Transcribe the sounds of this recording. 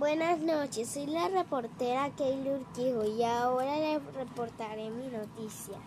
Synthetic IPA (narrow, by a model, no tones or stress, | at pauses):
bwenasnot͡ʃesːojlarepoɾt̪eɾakejluɾkihoiaoɾalerepoɾt̪aɾeminot̪isja̰